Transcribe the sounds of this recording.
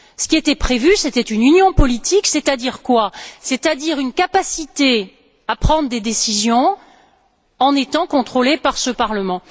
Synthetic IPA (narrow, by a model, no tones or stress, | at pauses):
sə̥kʲiet̪ɛpχevyset̪ɛt̪ynynjɔ̃pɔlit̪iksɛt̪ad̪iʁkwaset̪ad̪iʁynkapasit̪e | apχɑ̃d̪ʁəd̪ed̪esizjɔ̃ | ɑ̃net̪ɑ̃kɔ̃t̪χolepaʁsəpaʁləmɑ̃